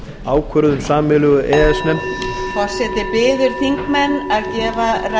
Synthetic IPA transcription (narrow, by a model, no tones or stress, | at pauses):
aːwkʰœɾðʏmsaːmɪlʏɣʏʔɛːðɛsmɛmfḁsɛːt̪ɪpɪːðʏɾ̥θiŋkmɛnːaðcɛːvaɾa